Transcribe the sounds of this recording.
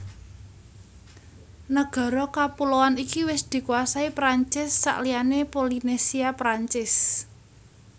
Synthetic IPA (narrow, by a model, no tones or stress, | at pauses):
nəɡ̥ɔ̤ɾɔkapulowanikiwɪsd̪̥i̤kuasaipɾaɲt͡ʃɪsːa̰ʔlijanepolinesiapɾaɲt͡ʃɪs